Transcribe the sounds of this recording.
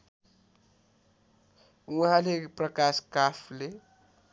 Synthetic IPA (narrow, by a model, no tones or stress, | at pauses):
uɦãleprəkaskapʰle